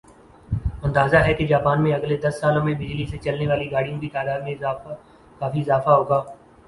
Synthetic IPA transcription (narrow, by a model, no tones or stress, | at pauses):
ɐ̃nd̪aːzaɦɛked͡ʒaːpaːnmẽɐɡled̪ɐsːaːlõmẽbɪd͡ʒliset͡ʃɐlneʋaːliɡaːɽijõkit̪aːd̪aːɾmẽ | kaːfiɪzaːfaɦoːɡaː